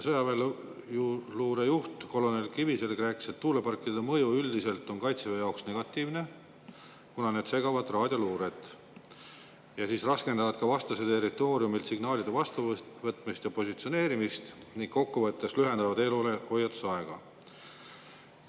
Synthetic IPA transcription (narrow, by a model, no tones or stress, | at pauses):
sɤjɑvel | luːɾe̞juht̪ko̞lo̞nelkivise̞lkræːkːse̞t̪ːuːlepɑrkːˑid̪d̪emɤjuyld̪ise̞lt̪ːˑo̞nkɑjt̪sevejɑoksne̞ɡ̥ɑt̪ːˑiːvne̞ | kunɑne̞ːd̪̥se̞ɡɑvɑd̪̥rɑːd̪̥ʲjɑluːɾet̪ | jɑsiːsrɑske̞nd̪ɑvɑd̪̥̚kɑvɑst̪ɑset̪e̞rːit̪ːˑo̞ːɾiumilt̪siɡ̥nɑːlid̪evɑst̪uvɤt̪ːˑmist̪jɑpo̞sʲit̪sio̞ne̞ːɾimist̪niŋkko̞kːuvɤt̪ːe̞slyɦe̞nd̪ɑvɑd̪e̞lule̞ho̞jɑt̪ːu̥sɑe̞ɡ̥ɑ̰